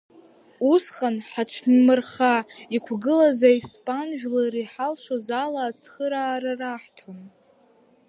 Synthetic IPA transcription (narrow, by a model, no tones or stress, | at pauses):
usqʼanħat͡ʃʷʰnmɨrχaikʷʰɡɨlazaispʼanʒᶣlaɾiħalʃʷozalaːt͡sʰχəɾaːɾaraħtʰon